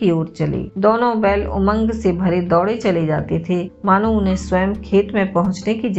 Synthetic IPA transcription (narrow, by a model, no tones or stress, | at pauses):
ioːɾt͡ʃɐlḛːd̪oːnõbɛːlʊ̰mə̃ŋɡsebʱɐɾed̪ɔːɽet͡ʃɐled͡ʒaːt̪et̪ʰemaːnoʊnɦẽswəjəmkʰeːt̪mẽpɐɦʊ̃t͡ʃnekid͡ʒ